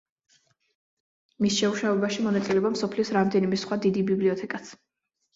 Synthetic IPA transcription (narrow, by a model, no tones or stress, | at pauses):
misʃɛuʃavɛbaʃimɔnat̪sʼilɛbamsɔpʰliɔsɾamd̪ɛnimɛsχwad̪id̪ibibliɔt̪ʰɛkʼat̪sʰ